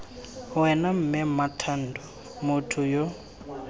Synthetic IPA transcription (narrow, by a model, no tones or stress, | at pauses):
wɛnam̩mɛmatʰandʱɔ | mutʰujɔ